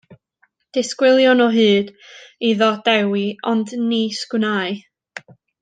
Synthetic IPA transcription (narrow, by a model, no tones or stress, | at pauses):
d̥ɪskwɪlˠjɔnɔɦɨːd̥ | iðɔd̥ɛwiɔndniskwnaːɨ